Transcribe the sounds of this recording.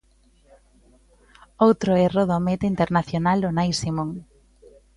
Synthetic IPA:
owt̪ɾoɛroðomet̪eint̪eɾnaθjonalonajsimoŋ

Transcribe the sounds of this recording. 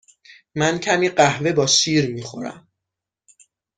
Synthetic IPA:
mæncʰæmiːɢæhve̞bɒːʃiːɾmiːxo̞̰ɾæ̰m

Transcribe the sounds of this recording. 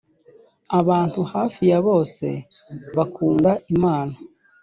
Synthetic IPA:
aβaːntuhaːfijaβo̞ːse̞̰ | βakuːndaimaːna

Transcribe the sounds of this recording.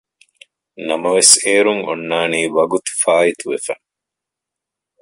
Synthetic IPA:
nɐmɐʋeseːɾuŋonːaːniːʋɐɡut̪u̥faːit̪uʋefɐ

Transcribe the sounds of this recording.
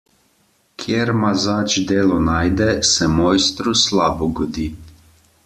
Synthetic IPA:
kʰjeɾmazaːt͡ʃd̪eːlɔnaːjd̪ɛsɛmɔjst̪ɾuslaːbɔɡɔd̪iː

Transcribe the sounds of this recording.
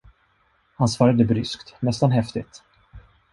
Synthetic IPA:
hansvɑːɾad̪əbɾʏskt̪nɛst̪anɦɛft̪ɪt̪

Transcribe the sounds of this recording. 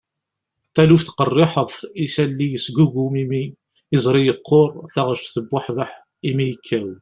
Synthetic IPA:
θælufθqərˤːɪħəðˤisælːijəsɡuɡumimi | ɪzˤɾijəqʰːoɾˤθæʁəʃt̪θəbːʊħvəħ | imijəkʰːæw

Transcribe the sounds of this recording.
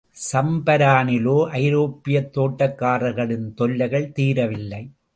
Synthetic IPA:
sɐmbɐɾaːnɪloːʔɐɪɾoːpːɪjɐt̪ːoːʈːɐkːaːɾɐɣɐɭɪnt̪ɔlːɐɣɐɭt̪iːɾɐʋɪlːɐɪ

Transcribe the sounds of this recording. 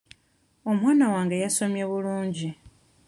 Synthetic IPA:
o̞mwaːnawaːŋɡe̞jaso̞mjeβuluːɲɟi

